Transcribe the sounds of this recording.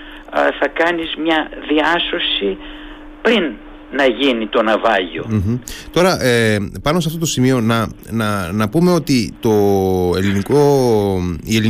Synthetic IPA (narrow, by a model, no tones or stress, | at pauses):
θɐkɐnizmɲɐðiɐso̞si | pɾinː | ɐʝinit̪o̞nɐvɐʝo̞̰m̩ç̩t̪o̞ɾɐʔepɐnosɐft̪o̞t̪o̞simio̞nɐnɐnɐpume̞o̞t̪it̪o̞e̞liniko̞ | ieli